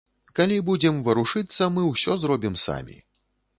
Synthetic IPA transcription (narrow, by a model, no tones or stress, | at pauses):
kalʲibud͡zʲɛmvɐɾuʂɨt̪sːɐmɨwsʲɔzɾɔbʲimsa̰mʲḭ